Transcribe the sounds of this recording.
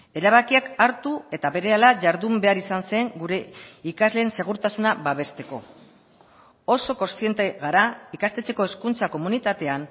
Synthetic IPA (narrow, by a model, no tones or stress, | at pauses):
e̞ɾaβakiakaɾt̪ue̞t̪aβe̞ɾe̞alaʝaɾðumbe̞aɾisanse̞ŋɡuɾe̞ikazle̞ːnse̞ɣ̞uɾt̪asunaβaβe̞st̪e̞ko̞̰ | o̞so̞ko̞nst̪ie̞nt̪e̞ɣaɾaikast̪e̞t͡se̞ko̞e̞skunt͡sako̞munit̪at̪e̞an